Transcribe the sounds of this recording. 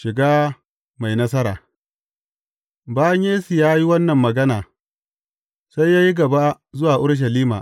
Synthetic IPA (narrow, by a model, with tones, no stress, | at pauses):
ʃɪ˨ɡaː˦ | ma˨jnɐ˦s̬ɐ˦ɾa̰ː˨ | baː˦ja˦ɲjeː˦si˨jaː˦ji˦wɐ˦nːɐ˨mːɐ˨ɡɐ˦naː˨ | sa˦jːaː˦ji˦ɡɐ˨ba˦ | zʊ˦waː˨ʔʊ˦ɽʃ̬ɐ˨liː˦ma̰ː˨